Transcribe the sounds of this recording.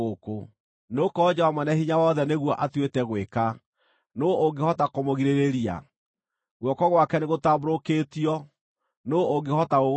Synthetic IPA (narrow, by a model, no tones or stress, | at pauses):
oko | nokɔd͡ʑɛwamwɛnɛhiɲawɔðɛneɣwɔʔatwetɛɣweka | nooɡehɔtakomoɣiɾeɾeɾia̰ | ɣwɔkɔɣwakɛneɣotaboɾokeːtiɔ | nooɡehɔtao